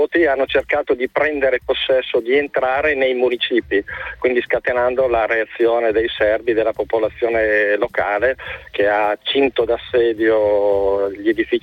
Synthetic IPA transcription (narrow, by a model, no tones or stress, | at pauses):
ot̪ianːot͡ʃerkaːt̪od̪ipɾɛnd̪eɾeposːɛsːod̪ient̪ɾaːɾenejmunit͡ʃiːpikkwind̪iskat̪enand̪olaɾeat̪sːjoːned̪ejsɛrbid̪elːapopolat̪sːjoːnelokaːlek̟eat͡ʃint̪od̪asːɛːd̪jo | ʎed̪ifit͡ʃ